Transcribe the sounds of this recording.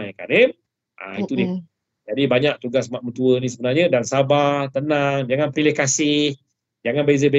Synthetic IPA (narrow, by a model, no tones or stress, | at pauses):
ajka̰ni | ʔa̰it̪udi | d͡ʒadibaɲak̚t̪uɡasmaʔ̚mət̪uənĩs̬əbənarɲədaŋsabat̪ənaŋd͡ʒaŋanpilɪhkasɪh | d͡ʒaŋanbezəbe